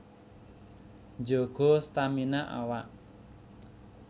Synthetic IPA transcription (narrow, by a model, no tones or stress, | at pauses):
ɲd͡ʒoɡ̥ɔ̤st̪aminaʔa̰waʔ